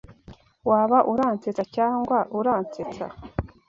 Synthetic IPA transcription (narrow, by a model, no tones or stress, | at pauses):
waβaʔuɾaːnt͡set͡sacaːŋɡwaʔuɾaːnt͡set͡sa̰